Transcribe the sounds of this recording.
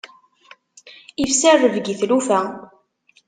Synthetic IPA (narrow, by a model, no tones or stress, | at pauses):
ifsærːəvɡiθlufæ